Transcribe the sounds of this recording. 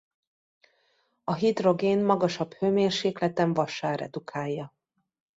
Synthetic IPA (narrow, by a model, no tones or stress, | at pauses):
ɒɦid̪ro̞ɡeːnmɒɡɒʃɒbhøːmeːrʃeːklɛt̪ɛɱvɒʃaːɾɛ̰d̪ukʰaːjːɒ